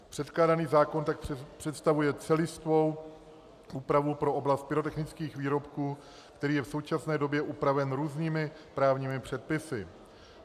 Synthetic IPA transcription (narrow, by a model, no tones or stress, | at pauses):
pr̝̥ɛt̪klaːdaniːzaːko̞nt̪akpr̝̥ɛt̪st̪avujɛt͡sɛlɪst̪vo̞w | ʔuːpɾavupɾo̞ʔo̞blast̪̚pɪɾo̞t̪ɛxnɪt͡skiːxviːɾo̞pkuː | kt̪ɛɾiːjɛfso̞wt͡ʃasnɛːdo̞bjɛʔupɾavɛnɾuːzniːmɪ | pɾaːvɲiːmɪpr̝̥ɛt̪̚pɪsɪ